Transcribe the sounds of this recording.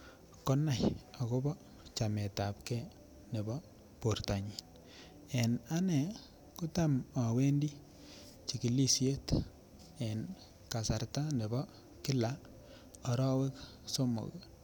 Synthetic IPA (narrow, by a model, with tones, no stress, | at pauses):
kɔ˦na˨ja˨ko˦bɔ˦ | t͡ʃa˨me˨ta˨p̚kɛ˦ | ne˨bɔ˦ | po˨rta˨ɲi˨n | e˨na˦nɛ˨ | ku˦ta˦mwa˨we˦ndi˦ | t͡ʃi˨ki˨li˦sje˦t | e˨n | ka˨sa˨rta˦ne˨bɔ˦ | kɪ˦la˦ | ɔ˨ɾɔ˦we˦k | so˦mo̰˨k